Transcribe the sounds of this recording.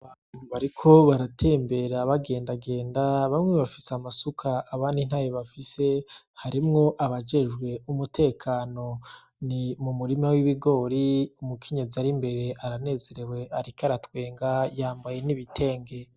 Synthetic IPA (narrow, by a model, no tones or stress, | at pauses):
aβaːn̥uβaɾikʰo̞βaɾatʰe̞ːmbe̞ɾaβaɡe̞ːndaɡe̞ːndaβamŋeβafi̥seamasukʰaːβaːndin̥haːjeβafise̞ | haɾimŋo̞ʔaβad͡ʒe̞ʒɡwe̞umutʰe̞ːkʰaːno̞ | nimumuɾimawiβiɡo̞ːɾiumukʰeɲe̞ziaɾimbe̞ɾe̞ʔaɾane̞ːze̞ɾe̞we̞ʔaɾikaɾatwe̞ːŋɡajaːmbaje̞niβitʰe̞ːŋɡe̞